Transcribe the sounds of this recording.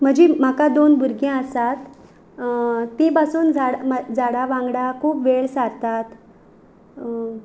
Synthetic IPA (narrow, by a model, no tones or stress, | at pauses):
m̤əd͡ʑem̤akad̪onbuɾɡẽəsat̪ | t̪ːepasuːnd͡zaɽd͡zʱaɽaʋãŋɡɽakʰuːpʋeɭsaɾt̪at̪